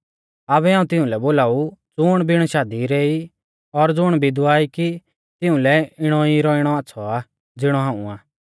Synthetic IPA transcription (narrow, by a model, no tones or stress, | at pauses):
aːβɛãːũt̪ɪũlɛboːlaːud͡zʊɽ̃bʱɪɽ̃ɔʃaːd̪iɾeːi | ɔɾd͡zʊɽ̃bʱid̪ʊaːiki | t̪ɪũlɛɪɽ̃ɔiɾɔɪɽ̃ɔaːtːsʰɔa | d͡zɪɽ̃ɔɦãːṵ̃aː